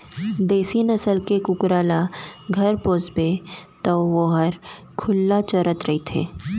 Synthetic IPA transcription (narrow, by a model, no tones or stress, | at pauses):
d̪eːsinɐsəlkekʊkɾaːlaɡʱɐɾpoːsbet̪ɔʋoɦəɾ | kʰʊlːat͡ʃɐɾət̪ɾɐɦit̪ʰḛː